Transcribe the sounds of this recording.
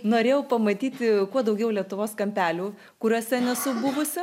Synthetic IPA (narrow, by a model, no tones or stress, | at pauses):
noːɾʲeːjɛʊpɐmɐt̪ʲiːt̪ʲɪkuɔd̪ɐʊɡʲɛʊlʲiɛt̪ʊʋoːskɐmʲpʲæːlʲuː | kʊɾʲoːsʲɛnʲɛsʊbʊʋʊsʲɪ